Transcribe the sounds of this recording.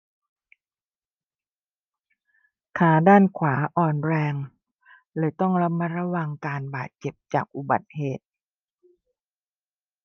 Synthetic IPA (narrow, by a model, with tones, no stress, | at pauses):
kʰaː˩˦daː˥˩nkʰwaː˩˦ʔɔː˨˩nɾɛː˧ŋ | lɯː˧jt̪ɔ˥˩ŋɾa˦˥ma˦˧˥ɾa˧˥wa˧ŋkaː˧nbaː˨˩t̪̚t͡ɕe˨˩p̚t͡ɕa̰ː˨˩k̚ʔu˨˩ba̰˨˩t̪̚heː˨˩t̪̚